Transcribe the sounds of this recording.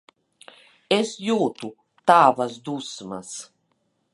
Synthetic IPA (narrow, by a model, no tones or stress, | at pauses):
esjuːt̪u | t̪aːvasd̪usma̰s